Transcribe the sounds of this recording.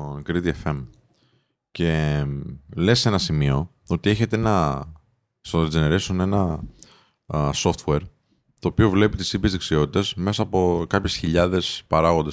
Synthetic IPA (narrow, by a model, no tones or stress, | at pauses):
onɡɾit̪iefe̞m | ce̞ | le̞se̞nɐsimio̞ | o̞t̪ieçe̞t̪eenɐ | st̪oid͡zeneɾesone̞nɐ | so̞ft̪we̞ɾ | t̪o̞ːpio̞vle̞pit̪isipjezðeksio̞t̪i̥t̪esme̞sɐːpo̞kɐpçe̞sçiʎɐðe̞spɐɾɐɣo̞nd̪e